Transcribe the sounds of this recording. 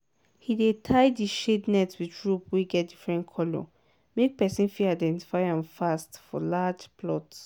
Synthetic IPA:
hidetʰaɪdiʃednɛtswiɹupweɡɛt̚difɹɛ̃ntkʰɔlɔ̰ | mek̚pɛsĩnfiaɪdɛ̃nti̥faɪãmfastfɔ̰lad͡ʒplɔts

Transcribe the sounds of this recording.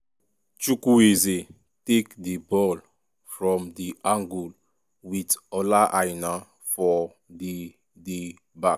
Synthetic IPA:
t͡ʃukueze | tekdibɔl | fɹɔ̃mdiʔãŋɡul | witɔlaʔajna | fɔ | di | de | bak

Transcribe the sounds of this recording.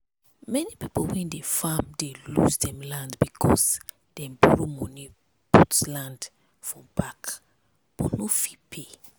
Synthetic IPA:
mɛnipipolwɛ̃ndefamdelṵsdɛ̃mlãndbikʰɔs | d̥ɛ̃mbuɹomɔ̃ni | putlãnd | fɹɔ̃mb̥ak | b̥ɔnofipʰe

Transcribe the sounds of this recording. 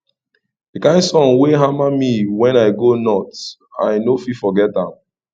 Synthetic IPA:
d̥ikãɪ̃nsɔ̃nweɦamamiwɛ̃naɪɡonɔt | a̰jnofifɔɡɛtãm

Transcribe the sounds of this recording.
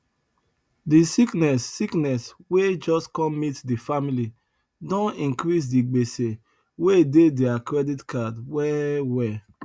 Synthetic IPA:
disiknɛsːiknɛswed͡ʒɔskɔ̃mitdifamili | dɔ̃nĩŋkɾis̬diɡ͡bese | wededeakɹɛditkadwɛwɛ

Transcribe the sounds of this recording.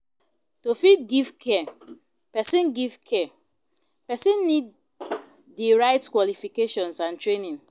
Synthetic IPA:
tofitɡiv̥kʰɛ | pɛsĩnɡivkʰɛ | pɛsĩnːidː | iɹaɪtkwɔlifikeʃɔ̃nsãntɹenĩn

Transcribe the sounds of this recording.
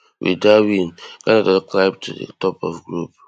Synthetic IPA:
wḭdawĩnɡ̥anadɔklap̚tʰudḛtɔpɔ̰fɡɹup̚

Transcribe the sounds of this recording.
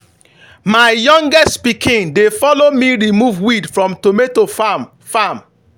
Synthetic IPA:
maɪjɔ̃ŋɡɛstpikʰĩŋdefɔlomiɹimuvwidfɹɔ̃mtometofam | fam

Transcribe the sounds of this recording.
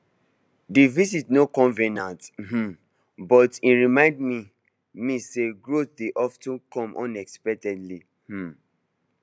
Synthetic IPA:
divisitnokɔ̃nvẽnãth̩ | bɔtĩɹimãɪ̃ndmi | miseɡɹot̚deʔɔftũkɔ̃mʔɔ̰̃nɛkspɛk̚tɛdli | h̩

